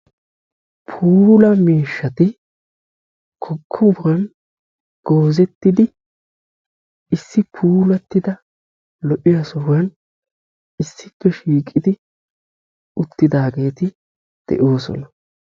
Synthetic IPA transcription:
pʰuːlɐmiːʃːɐt̪ɪ | kʰɔkʰːɔʊɾɐn | ɡ̥o̞ːzɛt̪ːɪd̪ɪ | ɪsːɪpʰuːlɐt̪ːɪd̪ɐ | lɔʔɪjɐsɔwɐn | ɪsːɪpːɛʃiːkʼːɪd̪ɪ | ʊt̪ːɪd̪aːɡe̞ːt̪ɪ | d̪̥ɛ̰ʔo̞ːsɔ̰nɐ

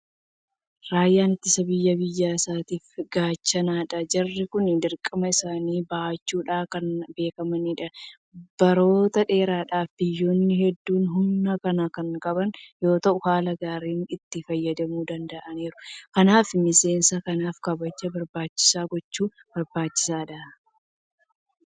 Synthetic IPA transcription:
ɾaːjːaːnɪt̪ːɪsɐbɪjːɐbɪjːaːsaːt̪iːfɡaːt͡ʃːɐnaːᶑɐd͡ʒɐrːɪkʊnɪd̪ɪɾkʼːɐmɐɪsaːniːbɐt͡ʃːuːᶑaːkɐnbe̞ːkɐmɐniːᶑɐ | b̥ɐɾo̞ːt̪ɐᶑe̞ːɾaːᶑaːfd̪ɪjːo̞ːnːɪhɛd̪ːuːnɦʊnːɐkɐnakɐŋkʼɐbɐnjo̞ːt̪ɐʔʊhaːlɐɡaːɾiːnɪt̪ːɪfɐjːɐd̪ɐmuːd̪ɐnd̪ɐʔɐneːɾʊkɐnaːfmɪse̞ːnsɐkɐnaːfkɐbɐd͡ʒɐbɐɾbaːt͡ʃːɪ̥saːɡɔt͡ʃːuːb̥ɐɾbaːt͡ʃːɪ̥saːᶑɐ

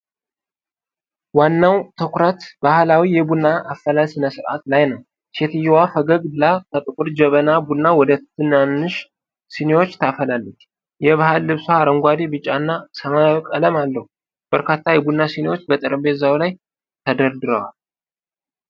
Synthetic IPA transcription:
wanːawt̪ʰɨkʷɾət̪b̥ahlawijɛbunːaʔːfːəlalsɨnəsɨɾʔa̰t̪lajnəw | se̞t̪ʰɨjɛwafəɡəɡbɨlakʰət̪ʼɨkʼuɾd͡ʒɛβənabunːawɔd̪ət̪ʰːɨnanːɨʃ | sinewo̞t͡ʃːt̪ʰafəlalːət͡ʃː | jɛβahalːɨβsoaɾəŋɡʷad̪ebɨt͡ʃʼːanːasəmakʼələmalːəhu | b̥əɾkat̪ʰːajɛbunːasinewo̞t͡ʃːbət̪ʼɨɾɨmbezawlaj | t̪ʰəd̪əɾd̪ɨɾəwa̰l

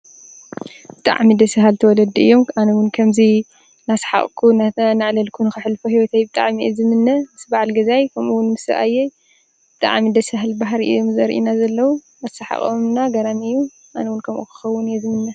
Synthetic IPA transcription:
b̥ɨt̪ʼa̰ʕmid̪ɐsɨɦalt̪ʰɐwɔlɐd̪iɨ̰jːo̞manɐwʊnkʰɐmzi | nasḁħa̰χʼkʰunnaʕlɐlkʰunɨxɨħlfohiwɔt̪ʰajbɨt̪ʼa̰ʕmiʔezɨmɨnːɐmɨsbaʕalɡɐzajkʰɐmʔuwʊnmɨsɨ̰ʔa̰jɛj | b̥ɨt̪ʼa̰ʕmid̪ɐsɦalbaɦɾiʔɨ̰jomzɐɾʔḭnazɐlːɐwu | ɐsaħa̰χʼomnaɡɐɾamɨjːu | ʔanɐwunkʰɐmʔṵkɨ̥xɐwːʊnjɛzɨmɨnːɐ

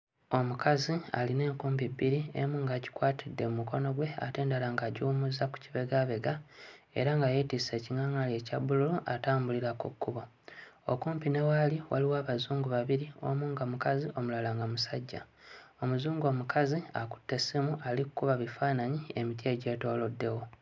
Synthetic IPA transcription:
o̞mukʰazia̰line̞ːŋkuːmpibiɾiḛmuːŋɡaːɟi̥kwaːtʰidːe̞mumuko̞no̞ɡwe̞a̰te̞ːndalaŋɡaɟiumuzaku̥ciβe̞ɡaβe̞ɡa | e̞̰ɾaŋɡajetise̞ːciŋaŋale̞ːcaβululuʔataːmbuliɾakukːuβo | o̞̰kuːmpine̞waliwa̰liwaːβazuːŋɡuβaβiɾio̞̰muːŋɡamukaziʔo̞mulalaŋɡamusaɟːa̰ | o̞muzuːŋɡo̞ːmukʰazia̰ku̥tːe̞simuʔalikukuβaβifaːnaɲiemitje̞ːɟe̞ːto̞ːlo̞dːe̞wo̞

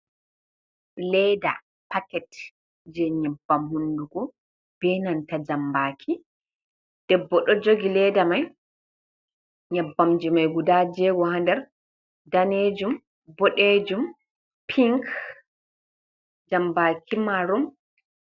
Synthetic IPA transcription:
lɛda̰ | pakɛt | d͡ʒɛɲabːamhunduɡɔ | b̥ɛnantad͡ʒambakʰi | d̥ɛbːɔɗɔd͡ʒoɡilɛdamaj | ɲabːamd͡ʒimajɡudad͡ʒɛɡɔhandɛɾ | daned͡ʒum | bɔɗed͡ʒum | pʰiŋk | d͡ʒambaːkʰimaɾum

